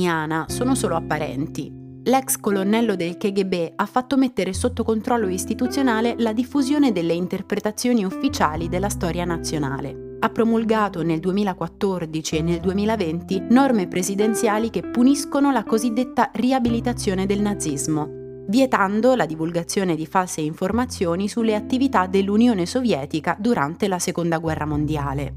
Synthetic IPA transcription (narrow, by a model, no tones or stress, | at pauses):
aːnasoːnosoːloapːaɾɛ̰nt̪ḭ | lɛkskolonːɛlːod̪elkeɡebeafːat̪ːomet̪ːeɾesot̪ːokont̪ɾɔlːoist̪it̪ut̪sjonaːlelad̪ifːuzjoːned̪elːeint̪erpɾet̪at̪sːjoːniufːit͡ʃaːlid̪elːast̪ɔːɾjanat̪sːjona̰ːlḛ | apːɾomulɡaːt̪oneld̪uemiːlakwat̪ːord̪it͡ʃienːeld̪uemiːlavent̪inɔrmepɾezid̪ent̪sjaːlikepːuniskonolakozid̪ːet̪ːariabilit̪at̪sːjoːned̪elnad̪zːizmo | vjet̪and̪olad̪ivulɡat̪sːjoːned̪ifalseiɱformat̪sːjoːnisulːeat̪ːivit̪ad̪elːunjoːnesovjɛːt̪ikad̪uɾa̰nt̪elasekond̪aɡwɛrːamond̪ja̰ːle